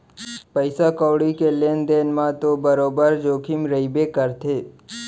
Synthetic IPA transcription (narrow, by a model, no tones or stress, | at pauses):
pəɪsakɔwɽikeleːnd̪eːnmãt̪obəɾoːbəɾd͡ʒoːkʰimɾəibekəɾt̪ʰeː